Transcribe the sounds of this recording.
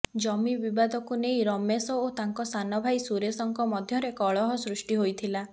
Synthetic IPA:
d͡ʒɔmibibad̪ʱɔkunejɾɔmesɔot̪aŋkɔsanɔbʱajsuɾesɔŋkɔmɔd̪ʱjɔɾekɔɭɔɦɔsɾusʈiɦojt̪ʰila

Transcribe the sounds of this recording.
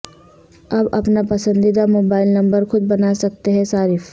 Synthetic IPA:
ɐbɐpnapɐsə̃nd̪id̪amoːbaːɪlnɐ̃mbəɾxʊd̪̚bɐnasɐk̚t̪eɦɛ̃saːɾɪf

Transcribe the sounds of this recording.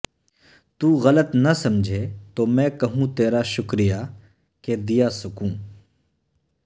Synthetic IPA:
t̪uːɣɐlət̪nɐsɐmd͡ʒʱet̪oːmɛ̃ːkɐɦũt̪eːɾaʃʊkɾija | ked̪ijaːsɐkũː

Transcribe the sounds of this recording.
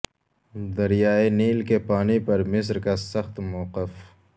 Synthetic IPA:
d̪ɐɾjaːeniːlkepaːnipɐɾmɪs̬ɾkasɐxt̪moːqɪf

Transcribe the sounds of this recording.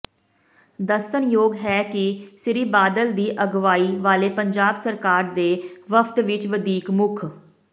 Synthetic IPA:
d̪əsənjoːɡɦɛːkɪsɪɾiːbaːd̪əld̪iːʔəɡʋaːiːʋaːleːpəɲd͡ʒaːbsəɾkaːɾd̪eːʋəpʰt̪ʋɪt͡ʃʋəd̪iːkmʊkʰ

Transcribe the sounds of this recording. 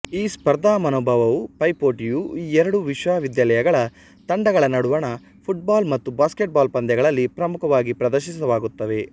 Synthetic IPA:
iːspɐɾd̪aːmɐnoːbʱɐʋɐʋupɐjpoːʈijuiːɛɾɐɽuʋiʃʋaːʋid̪jalɐjɐɡɐɭɐ | t̪ɐɳɖɐɡɐɭɐnɐɽuʋɐɳɐ | pʰuʈ̚baːlmɐt̪ːubaːskeʈ̚baːlpɐnd̪jɛɡɐɭɐlːipɾɐmukʰɐʋaːɡipɾɐd̪ɐɾʃis̬ɐʋaːɡut̪ːɐʋe̞

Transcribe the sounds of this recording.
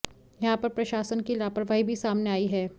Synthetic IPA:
jɐɦãpɐɾpɾɐʃaːsənkilaːpəɾʋaːibʱisaːmneaːiɦɛː

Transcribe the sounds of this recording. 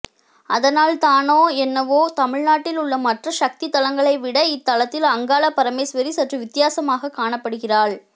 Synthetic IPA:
ɐðɐnaːlt̪aːnoːɛnːɐʋoːt̪ɐmɪɻnaːʈːɪlʊɭːɐmɐʈrɐʃɐk̚t̪ɪt̪ːɐlɐŋɡɐɭɐɪʋɪɽɐɪt̪ːɐlɐt̪ːɪlɐŋɡaːɭɐpːɐɾɐmeːsʋɐɾisɐʈrɯʋɪt̪ːɪjaːsɐmaːɣɐkːaːɳɐpːɐɽɯɣɪraːɭ

